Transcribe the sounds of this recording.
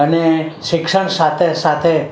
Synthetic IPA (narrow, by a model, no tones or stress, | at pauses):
əneʃɪkʂəɳ̃sat̪ʰesat̪ʰe